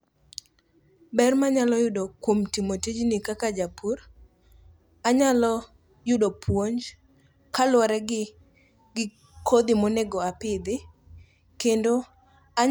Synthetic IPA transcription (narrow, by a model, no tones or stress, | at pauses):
bɛrmaɲalɔjʊdokwomtimotid͡ʒnikakad͡ʒapʰur | aɲalɔ | jʊdopʰwoɲd͡ʒ | kalwaɾɛɡɪ | ɡɪ | kʰod̪ɪmoneɡɔapɪd̪ɪ | kendo | a